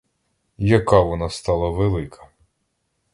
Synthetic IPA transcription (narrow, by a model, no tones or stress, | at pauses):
jɐkɑʋɔnɑst̪ɑlˠɐʋelˠɪkʰɐ̥